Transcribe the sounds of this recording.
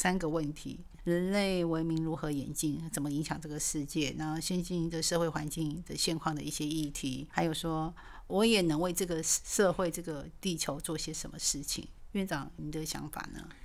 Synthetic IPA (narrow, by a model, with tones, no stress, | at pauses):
sa˥nɡə˨wə˥˩nt̪ʰḭ˧˥˦ | ɻə˧˦˥nle˥˩ɪwe˧˥ɪmi˧˥ŋɻu˧˥xɤ˧˦jɛ˨˩nt͡ɕi˥˩ŋt͡sə˨˩nmə˦i˧˥ŋɕjɑ˨˩ŋʈ͡ʂɤ˥˩ɡə˩ʂɻ̩˥˧t͡ɕjɛ˥˩na˧˥˩ɕjɛ˥nɕi˥˧ndə˧ʂɤ˥˧xwe˥˩ɪxwa˧˥nt͡ɕi˥˧ŋd̪ə˨ɕjɛ˥˧nkʰwɑ˥˩ŋd̪ə˩i˥˩ɕjɛ˥i˥˩t̪ʰi˨˧˥xa˧˥ɪjo˨˩ʊʂwɔ˥ | wɔ˧˥jɛ˨˩nɤ˧˥ŋwe˥˧ɪʈ͡ʂɤ˥˩ɡə˩ʂɤ˥˧xwe˥˧ɪʈ͡ʂɤ˥˩ɡə˩t̪i˥˩t͡ɕʰjo˧˥ʊt͡swɔ˥˩i˥˩ɕjɛ˥ʂə˧˥nmə˧ʂɻ̩˥˩t͡ɕʰḭ˨˩ŋɛ˥˧nt͡sɑ˥˩ʊni˨˩d̪ə˨˦ɕjɑ̰˧˥˦ŋfa̰˨˩nə̰˦